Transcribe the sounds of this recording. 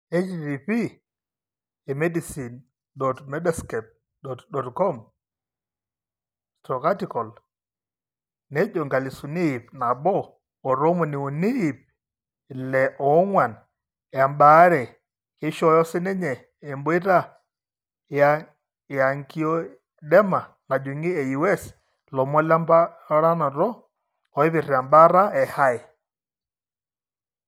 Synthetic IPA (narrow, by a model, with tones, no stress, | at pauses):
ɛ˦t͡ʃdi˨pi˦ | ɛ˨mɛ˦di˨si˨n | dɔ˨tmɛ˦da˨skɛ˨p̚ | dɔtdɔ˨tkɔ˦m | stɾɔ˨ka˦ti˨kɔ˨l | nɛ˦d͡ʒɔ˨ŋɡa˨li˨su˨ni˦˨p̚na˨bɔː˦˨ | ɾɔ˦mɔ˨ni˨ɔ˨ni˦˨p̚ | lɛ˨ʔɔ˨˦ŋwa˨n | ja˨mba˨˦ɾɛ˨ | hi˦ʃɔ˦jɔ˦si˦nɛ˦ɲɛ˨ | ɛ˨mbɔ˦ɛ˦ɾa˦ | ja | ja˨ŋki˨ɔ˦ | dɛ˦ma˨ | na˨d͡ʒu˨ŋi˦ɛ˨i˨wɛ˦s | lɔ˨mɔ˦la˦mba˦ɾa˦nɔ˨ɾɔ˦ | ɔ˨i˦βi˨ɾi˨a˨mba˦ɾa˦ɛ˨ha˦ɛ˨